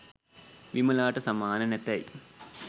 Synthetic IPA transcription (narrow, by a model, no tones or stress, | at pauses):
ʋimɐlaːʈɐsɐmaːnɐnet̪ːɐj